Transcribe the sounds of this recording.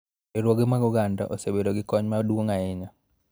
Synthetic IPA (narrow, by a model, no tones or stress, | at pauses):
eɾwoɡɪmaɡuɡanda̰ʔosebeɾoɡɪkɔɲmadwoŋaɪɲa